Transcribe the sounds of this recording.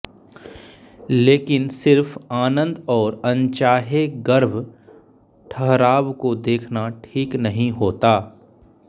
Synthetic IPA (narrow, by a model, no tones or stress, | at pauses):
leːkɪnsɪɾfaːnə̃nd̪ɔːɾɐ̃nt͡ʃaːɦeɡəɾbʱ | ʈʰɐɦɾaːbkod̪eːkʰnaʈʰiːknɐɦĩɦoːt̪aː